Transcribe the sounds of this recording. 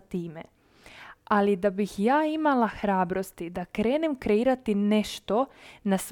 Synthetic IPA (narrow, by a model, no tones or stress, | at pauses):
t̪iːme | alid̪abixjaːimalaxɾaːbɾo̞st̪id̪akɾe̞ːnemkɾe̞iːɾat̪ine̞ʃt̪o̞nas